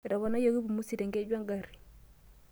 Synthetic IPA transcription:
ɾɔ˨βa˨na˦jo˦ɣi˦bu˨mu˦si˨ɾɛ˨ŋɡe˦d͡ʒwa˦ŋɡa˨ɾi̥˨

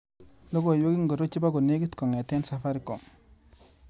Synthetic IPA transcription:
lo˦ɡo˨jo˦ɡi˦ŋɡo˨ɾo˦t͡ʃi˦ba˦ɡo˨ne˦ɡi˦tko˨ŋe˨te˦nsa˨fa˦ɾi˦kɔ˨ŋ

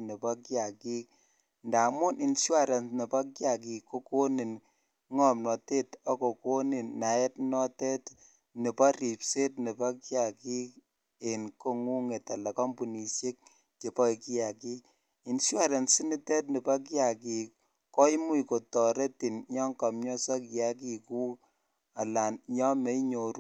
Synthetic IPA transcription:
ni˨pɔ˦kja˨ki˦k̚ | nda˨mʊ˦nʔi˨nʃwa˦ɾe˨nni˨pa˦kja˨k̬i˨kːo˦ko˦ni˨n | ŋɔ˦˨mnɔ˨te˦tɔ˦ko˨ko˦ni˨nːa˨ɛ˦tnɔ˦tɛ˦t | ni˨pɔ˦ɾi˨pse˦tni˨pa˦kja˨ki˦k̚ | e˨nko˦ŋu˦ŋe˨ta˨lɛ˨kɔ˦mpu˨ni˨sje˦k̚ | t͡ʃe˨pɔ˦iki˦ja˨ki˦k | i˨nsja˦˨ɾe˨nsi˦ni˦tɛ˦t̚nɪ˨pa˦k̬ja˨ki˨ | kɔ˦i˦mu˦i˨ko˨tɔ˨ɾe˦ti˨nɲɔ˦ŋka˨mɲɔ˦sɔ˦kja˦k̬i˦ku˦ | a˨la˨nɲɔ˦me˨˦i˦ɲo˨ɾu˦

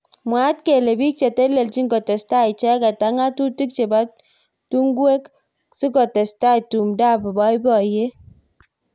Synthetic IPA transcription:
mwa˨˦t̚ke˨le˨bi˦k̚t͡ʃe˨te˦le˨lt͡ʃi˦ŋɡo˨tɛ˨sta˦i˨t͡ʃɛ˦ka˨ta˨ŋa˦tu˦ti˦k̚t͡ʃe˨ba˦ | tu˦ŋɡwe˦k | si˦kɔ˨te˨sta˦jtu˨mda˦˨pbɔ˦jbɔ˨je˦

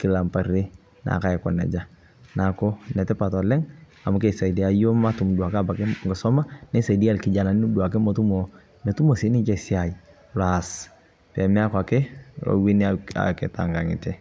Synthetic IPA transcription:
kɪ˨la˨mpa˨ɾe˦ | na̰˨ka˨ɛ˨kɔ̰˨nɛ̰˨d͡ʒa˦ | na˨kɔ˦nɛ˨tɛ˦pa˨tɔ˨lɛ˦ŋ | a˨mʊ˦kɛ˨sa˨di˨a˨˦jo˦ma˦tʊ˨mdu˨a˨ka˦ba˨kɛ˦ŋɡɔ˨sɔ˦ma˦nɛ˦sa˨jdi˦a˦lkɪ˨d͡ʒa˨na˨nɪ˦nu˦dua˨k̬ɛ˦mɔ˨tu˦mɔ˨ | mɛ˨tu˦mo˨si˨˦nɪ˦t͡ʃɛ˨si˦a˨i˨ | la˨s | pɛ˨mɛ˦a˦kɔa˨kɛ˦ɔ̰˨wi˦n˦aa̰˨kɛ̰˨ta̰˨ŋɡa˨ŋɪ̰˨tɛ˦

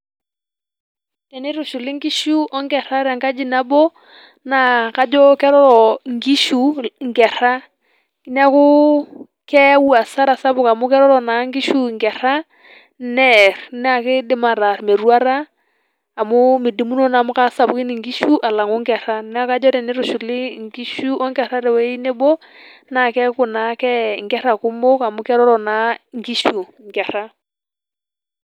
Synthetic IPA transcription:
tɛ˨nɪ˦ɾʊ˨ʃu˨lɪ˦ŋɡi˦ʃu˦ʔɔ˦ŋɡɛ˨ɾa˦ɾa˨ŋka˦d͡ʒi˦na˦bɔ˦ | na˨ka˦d͡ʒɔ˦kɛ˦ɾɔ˦ɾɔ˨ŋɡi˦ʃu˨ŋɡɛ˨ɾ̥a˦ | kn˦a˦kʊ˦ | kɛ˦wa˨sa˦ɾa˨sa˦βʊ˨ka˨mʊ˦kɛ˦ɾɔ˦ɾɔ˨na˨˦ŋɡi˦ʃu˦˨ŋɡɛ˨ɾ̥a˦ | nɛ˦rn˦a˨kɪ˦dɪ˦ma˨ɾa˨rme˨ɾwa˦ɾa˦ | a˨mʊ˦mɪ˨di˨mu˦nɔ˦na˨mʊ˦ka˦sa˨pu˦kɪ˦nɪ˨ŋɡi˦ʃu˦ʔa˨la˨ŋo˦ŋɡɛ˨ɾa˦nɛ˦a˦ka˦d͡ʒɔ˦ɾɛ˨nɪ˦ɾʊ˨ʃu˨lɪ˦ŋɡi˦ʃu˦ʔɔ˦ŋɡɛ˨ɾa˦ɾɛ˨wɛ˦i˦ne˦bɔ˦ | na˨kɛ˦kʊ˨na˨˦kɛ˦ŋɡɛ˦ɾa˨kʊ˦mo˦ka˨mʊ˦kɛ˦ɾɔ˦ɾɔ˨na˨˦ŋɡi˦ʃu˨ | ŋɡɛ˨ɾa˦

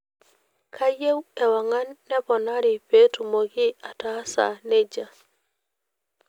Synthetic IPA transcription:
kʰa˦je˦wɛ˨wa˨ŋa˦nːɛ˦pɔ˨na˦ɾɪ˨pe˦tu˨mo˨ɡɪ˦a˨ta˦sa̰˨ne˦d͡ʒa˨

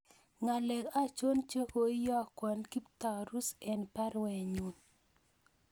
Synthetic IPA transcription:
ŋa˨lɛ˨ka˦˨t͡ʃo˦nt͡ʃe˦ko˦i˦jɔ˦a˨kwɔ˨nki˦pta˨ɾu˦sɛ˨npa˦ɾwɛ˨ɲu˨n

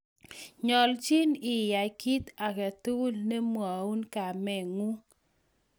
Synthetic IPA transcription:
ɲɔ˨lt͡ʃi˦nɪ˨ja˨ki˦t̪a˨kɛ˨t̪u˦lne˦mwa˨u˦nka˨mɛ˨ŋu˦

